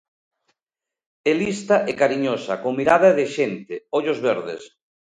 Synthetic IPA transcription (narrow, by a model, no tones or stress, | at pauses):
elist̪aʔekaɾiɲosakoŋmiɾaðaðeʃent̪eoʎozβeɾðḛs